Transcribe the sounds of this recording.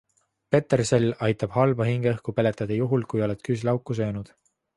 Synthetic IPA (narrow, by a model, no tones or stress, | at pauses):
pe̞t̪ːerse̞lːɑjt̪ːˑɑb̥hɑlbɑɦiŋɡ̥eɤhkupe̞le̞t̪ːˑɑd̪̥ɑjuɦulkujo̞le̞t̪ˑkyslɑwkːˑus̬ø̞ːnud̪̥